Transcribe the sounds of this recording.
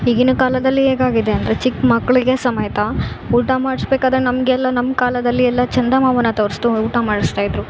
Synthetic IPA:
iːɡinukaːlɐd̪ɐlːiɦeːɡaːɡid̪eɐnd̪ɐɾet͡ʃikːmɐkːɐɭiɡe̞sɐmɐjɐt̪ɐ | uːʈamaːɽisbeːkaːd̪ɐɾenɐmɐɡɛlːɐnɐmːkaːlɐd̪ɐlːiɛlːɐt͡ʃɐnd̪ɐmaːʋɐnːɐt̪oːɾst̪uuːʈamaːɽist̪aːjid̪ɾu

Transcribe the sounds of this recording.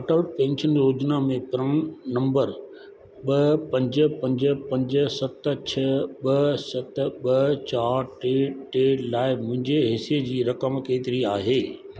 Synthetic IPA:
ɐʈəlpẽːɲɕənjoːd͡ʑnamẽpɐɾəɽ̃nɐ̃mbəɾ | ɓɐpɐ̃ɲd͡ʑ̆pɐ̃ɲd͡ʑə̆pɐ̃ɲd͡ʑə̆sɐt̪t͡ɕʰɐɓɐsɐt̪ɓɐt͡ɕaːɾʈeʈeːlaːɪmʊ̃ɦɪ̃ɲd͡ʑeɦɪsied͡ʑiːɾɐkəmkeːt̪ɪɾiaːɦeː

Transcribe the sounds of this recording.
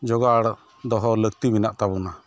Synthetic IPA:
d͡ʒɔɡaɽ | d̪ɔɦɔləkt̪ibinaʔt̪abuna

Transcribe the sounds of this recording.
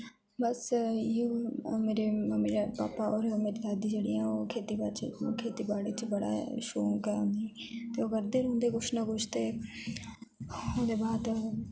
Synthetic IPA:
bəsjuːmeːɾemeːɾapa̰ːpaɔːɾmeːɾid̪aːd̪iːd͡ʒeːɽiːãːoːkʰeːt̪ibat͡ʃkʰeːt̪iːbaːɽeːt͡ʃbəɽa̰ːʃoːkɛ̃nit̪eːoəɡəɾd̪eːɾõːnd̪eːɡʊʃʰnakʊʃʰt̪eː | õːnd̪eːbaːd̪

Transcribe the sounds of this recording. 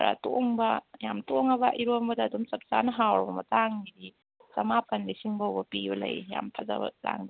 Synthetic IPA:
ɾa̰to̰ŋbɐjamtoŋɐbɐʔiɾombɐdaːdumsɐk̚sanɐɦawɾbɐmɐ̰taŋidi | sɐmapʰɐnlisiŋbawbɐpibɐlɐ̰jja̰mpʰɐza̰bɐ̰ta̰ŋd

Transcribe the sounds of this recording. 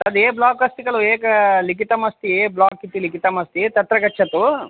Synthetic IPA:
ɐd̪eːblaːkɐst̪iɡɐɭueːkɐlikit̪ɐmɐst̪ieːblaːkːit̪ːilikit̪ɐmɐst̪it̪ɐt̪ɾɐɡɐt͡ʃːɐt̪u

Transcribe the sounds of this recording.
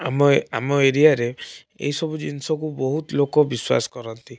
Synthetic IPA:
amɔamɔeɾiaɾe | ḛɦisɔbud͡ʒinsɔkubɔɦut̪lokɔbiswa̰sɔ̥kɔɾɔnt̪i

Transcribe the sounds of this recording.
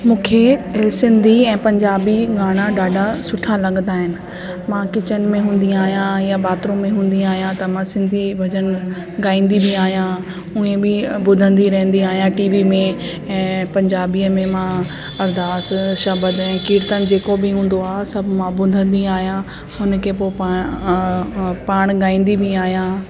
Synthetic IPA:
mũːkʰesɪ̃nd̪ʱiɛ̃ːpɐ̃ɲd͡ʑaːbiɡaːɽ̃aɖaːɖʱasʊʈʰalɐɠənd̪aːɦɪnɪ̆ | mãkɪt͡ɕənɪ̆mẽɦũːn̆d̪iaːɦijãjabaːt̪ɾõmẽɦũːn̆d̪iaːɦijãt̪ɐmãsɪ̃nd̪ʱibʱɐd͡ʑəñɪ̆ | ɡaːĩːnd̪ibɪaːɦijã | ʊ̃ẽbɪbʊd̪ʱə̃nd̪iɾɐɦə̃n̆d̪iaːɦijãʈiːʋimẽ | ɛ̃ːpɐ̃ɲd͡ʑaːbiəmẽmã | ɐɾd̪aːsʃɐbəd̪ɛ̃ːkiːɾt̪ənɪ̆d͡ʑeːkobɪɦũːn̆d̪oaːsɐbʱmãbʊd̪ʱə̃nd̪iaːɦijã | ɦʊnkʰepopa | paːɽ̃ɡaːĩːn̆d̪ibʱɪaːɦijã

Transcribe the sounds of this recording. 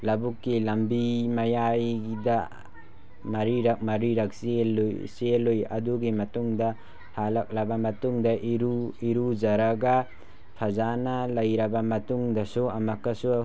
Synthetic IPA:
lɐbukːilɐmbimɐjajdɐ | mɐɾiɾɐk̚mɐɾiɾɐk̚slojselojɐ̰duɡimɐtuŋdɐ | halɐk̚lɐbɐmɐtuŋdɐʔiɾuiɾud͡ʒɐɾɐɡɐ | pʰɐzanɐlɐjɾɐbɐmɐtuŋdɐsuɐmɐkːɐsu

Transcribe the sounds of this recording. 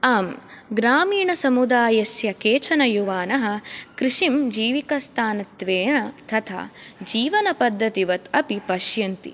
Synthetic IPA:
ɐːmɡɾaːmiːɳɐsɐmud̪aːjɐsjɐkeːt͡ʃʰɐnɐjuʋaːnɐɦɐ̆kɾiʂimd͡ʒiːʋikɐst̪ʰaːnɐt̪ʋeːɳɐt̪ʰɐt̪ʰa̰d͡ʒiːʋɐnɐpɐd̪ʱːɐt̪iʋɐt̪ɐpipɐʃjɐnt̪ḭ

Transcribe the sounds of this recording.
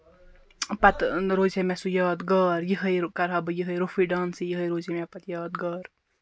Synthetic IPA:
pɐt̪ɾoːd͡ʒemɛsujaːt̪ɡəːɾjiɦəjkɐɾɦɐbɨjiɦəjɾofiɖaːnsijiɦəjɾoːd͡ʒemɛpɐt̪jaːd̪̚ɡəːɾ

